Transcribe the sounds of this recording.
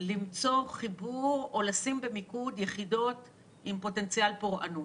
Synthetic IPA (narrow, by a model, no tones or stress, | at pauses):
limt͡so̞χibuʁo̞lasimbemikudjeχido̞t | impo̞te̞nt͡sialpoʁʔa̰nut